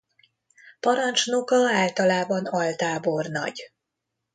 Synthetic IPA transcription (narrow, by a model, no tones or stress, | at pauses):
pɒɾɒnt͡ʃnokɒaːlt̪ɒlaːbɒnɒlt̪aːbo̞rnɒ̰ɟ